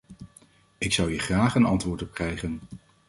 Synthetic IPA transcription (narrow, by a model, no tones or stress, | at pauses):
ɪksʌwiχraːχənɑntʋʊːɹtɔp̚krɛjχən